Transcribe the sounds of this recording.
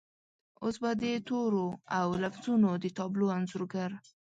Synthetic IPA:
osbad̪ət̪oɾoawlafzunod̪ət̪ɑbloanzoɾɡaɾ

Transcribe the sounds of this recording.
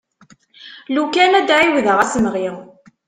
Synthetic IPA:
lukænæd̪ʕiwðəʁæsəmʁi

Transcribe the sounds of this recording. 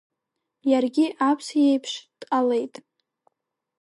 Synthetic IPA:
jarɡʲiʔapʰsjejpʰʂd̥qʼale̞jtʼ

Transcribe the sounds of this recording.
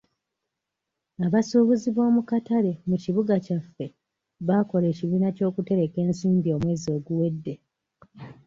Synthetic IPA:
aβasuːβuziβo̞ːmukataɾe̞muciβuɡacafːe̞ | βako̞le̞ːciβiːnaco̞ːkute̞ɾe̞ke̞ːnsiːmbio̞ːmwe̞ːzio̞ːɡuwe̞dːe

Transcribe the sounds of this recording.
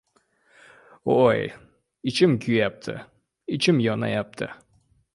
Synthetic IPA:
oj | it͡ʃɪmkʲyjap̚t̪ʰɨ̰ | it͡ʃɪmjɒnɑ̰jap̚t̪ʰɨ̰

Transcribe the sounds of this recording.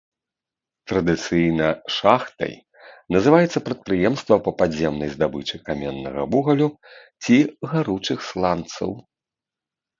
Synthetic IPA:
t̪ɾɐd̪ɨt̪sɨjnɐʂaxt̪ɐ̰j | nɐzɨvajɛt̪sːɐpɾɐt̪̚pɾɨjɛmst̪vɐpɐpazʲɛmnɐjzd̪abɨt͡ʂɨkamʲɛnːɐ̰ɣɐ̰vuɣɐlʲu | t͡sʲiɣaɾut͡ʂɨxslˠant̪sɐ̰w

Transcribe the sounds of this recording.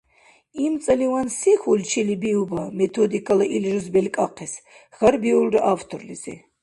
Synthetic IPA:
imt͡s̪ʼɐliwansixult͡ʃʰilibiubamɛt̪ʰɔd̪ikʰalaʔilʒuzbɛlkʼaqʰɛs | ɣaɾbiulraʔaft̪ʰɔrlizḭ

